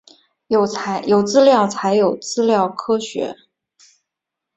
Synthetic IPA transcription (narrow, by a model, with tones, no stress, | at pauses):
jo˨˩˧jo˨˩ʊt͡sɹ̩˥ljɑ˥˩ʊt͡sʰa˧˥ɪjo˨˩ʊt͡sɹ̩˥ljɑ˥˩ʊkʰɤ˥ɕɥɛ̰˧˥